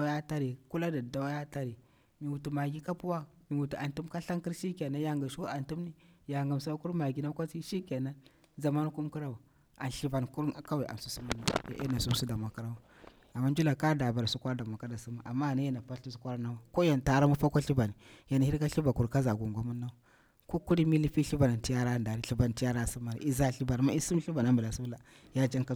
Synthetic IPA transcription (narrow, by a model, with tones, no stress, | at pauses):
da˦wa˦ja˦ta˦ɾi˨ku˦la˦da˨da˨wa˦ja˦ta˦ɾi˨ | mi˨wu˨tu˨ma˨ɡi˦ka˦pu˦wa˦ | mi˨wu˨ti˨a˨ntu˦mka˦ɬa˦ŋki˦ɾʃi˦ke˨na˦ja˦ŋɡa˨ʃu˦a˨ntu˦mni˦ja˨ŋɡa˨msu˦a˦ku˦ɾma˨ɡi˨na˦kʷa˦t͡si˦ʃi˦ke˨na˦ | za˨ma˦n˦ku˦mki˦ɾa˦wa˨ | a̰˨nɬi˦va˨nku˦ɾka˦wa˨a̰˨n˨su˦su˦mu˦nːa˨ja̰˨ʔḛ˦na˨su˦su˦da˨mʷ˨a˨ka˦ɾa˦wa˦ | a˨mːa˦n˦d͡ʒu˦la˨ka˦da˨ba˨ɾa˨su˦kʷa˦ɾda˨m˨a˨ka˦da˨su˦ma˦ʔa˨mːa˦˨na˦i˦na˨pa˦ɬi˦s̬u̥˦kʷa˦ɾa˦na˦wa˦ko˦ja˨n˨ta˨ɾa˦mu˦pa˦kʷa˦ɬi˦ba˨ni˨ja˨n˨hi˦ɾka˦ɬi˦ba˨ku˨ɾka˦za˨ɡu˨ŋɡʷa˦mu˦nːa˦wa˨ | ko˦ku˦ɾi˦mi˦li˦pi˦ɬi˦ba˨na˨nti˦ja˦ɾa˦nda˨ɾi˦˨ɬi˨ba˨n˨ti˦ja˦ɾa˦˨si˦mːa˨ɾḭ˨i˦za˦˨ɬi˦ba˨n˨ma˦i˦su˦m˦ɬi˦ba˨na˦mbu˨la˨su˦la˨ | ja˦d͡ʒa˦ŋka˦